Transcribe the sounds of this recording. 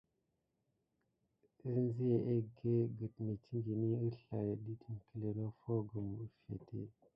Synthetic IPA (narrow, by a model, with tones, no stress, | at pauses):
i˦ɾn˦zi˦je˨ʔe˦ɡe˦ɡə˨tme˨ti˦ŋɡi˨ni˦ə˦ɬa˨je˨di˦ti˨nkə˨le˨no˦fo˦ɡu˨mu˦fḛ˨tʰḛ˦